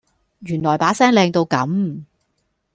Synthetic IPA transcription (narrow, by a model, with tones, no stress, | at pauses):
ɥyː˨˩nlɔː˨˩jpaː˨˥sɛː˥ŋlɛː˧ŋt̪o˧wkɐ˨˥m